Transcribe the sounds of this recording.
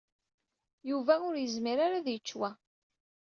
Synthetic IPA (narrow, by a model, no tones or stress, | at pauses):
juvæʊɾjəzmiɾaɾaðjət͡ʃːwæ